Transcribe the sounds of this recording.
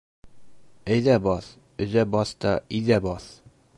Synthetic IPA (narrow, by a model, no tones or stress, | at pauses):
æjðæbɒθ | ɵ̆zæbɒθt̪ɒʔiðæbɒθ